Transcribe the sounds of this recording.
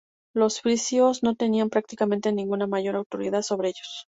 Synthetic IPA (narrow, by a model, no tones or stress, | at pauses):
lo̞sfɾisjozno̞t̪e̞niampɾak̚t̪ikamẽ̞nt̪e̞nĩŋɡunamaʝo̞ɾawt̪o̞ɾiðaðso̞βɾe̞eʝo̞s